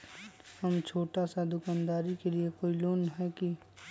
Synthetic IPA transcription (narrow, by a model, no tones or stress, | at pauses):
həmt͡ʃʰoːʈasad̪ʊkaːnd̪aːɾikeliekoːiloːnɦɛki